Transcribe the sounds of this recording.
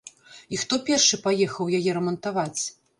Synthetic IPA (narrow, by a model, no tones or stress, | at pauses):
ixt̪ɔpʲɛrʂɨpajɛxɐwjajɛɾɐmɐnt̪avat͡sʲ